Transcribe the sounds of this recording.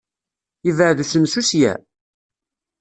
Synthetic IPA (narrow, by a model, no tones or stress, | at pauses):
ivʕðusənsusjæ̰